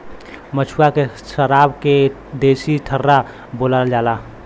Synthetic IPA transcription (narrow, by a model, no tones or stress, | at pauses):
mət͡ʃʰuakesəɾaːbke | d̪eːsiʈʰərːa | bolad͡ʒaːla